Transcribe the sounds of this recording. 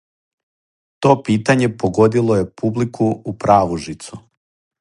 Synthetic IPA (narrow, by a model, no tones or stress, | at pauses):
t̪o̞ːpiːt̪aɲe̞poɡo̞d̪ilˠo̞je̞publikʰuːpɾaːʋuʒit̪su